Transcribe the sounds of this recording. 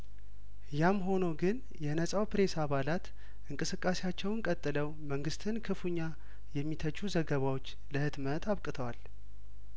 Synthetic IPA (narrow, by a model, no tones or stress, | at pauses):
jamɦo̞noɡɨn | jɛnəsʼawpɾe̞saβalat̪ | ʔɨŋkʼɨsɨkʼːasejat͡ʃːɛwɨŋkʼət̪ʼːɨləwməŋɡɨst̪ʰɨnkʰɨfuɲːa | jɛmːit̪ʰət͡ʃːuzəɡəβawo̞t͡ʃː | ləhɨd̪mət̪aβkʼɨt̪ʰəwal